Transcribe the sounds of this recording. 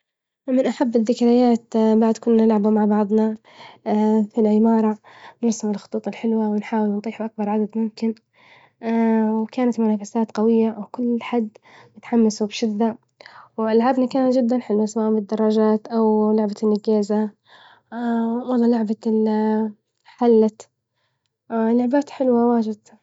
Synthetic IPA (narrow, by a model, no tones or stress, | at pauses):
mɪnʔaħabːɪðːɪkɾajaːt̪baʕd̪kʊnːanɪlʕabumaʕbɑʕðˤnɑ | filʕɪmɑːɾˤɑ | nɪɾsɪmɪlxʊ̥t̪ˤuːt̪ˤɪlħɪlwawɪnħaːwɪlnt̪ˤiːħaʔak̚bɑɾˤʕad̪ad̪mʊmkɪn | wkaːnat̪mʊnaːfasaːt̪qɑwɪjːawkʊlːħad̪ːmɪt̪ħamːasubʃɪd̪ːa | wɪlʕabnakaːnad͡ʒɪd̪ːanħɪlwasawaʔmbɪd̪ːɑrˤːɑd͡ʒaːt̪ʔawlʊʕbanːɪɡaːza | wɑlˤːɑːlʊʕbal | ħalːa | lʊʕbaːt̪ħɪlwawaːd͡ʒɪd̪